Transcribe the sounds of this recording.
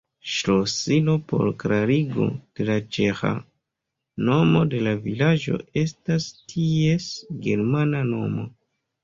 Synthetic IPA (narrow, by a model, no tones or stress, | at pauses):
ʃɾosilo̞po̞̰ɾkɾaɾiɡo̞̰d̥e̞lat͡ʃexa̰ | no̞mo̞de̞lavilad͡ʒo̞̰e̞stastʰie̞sɡe̞ɾmanano̞mo̞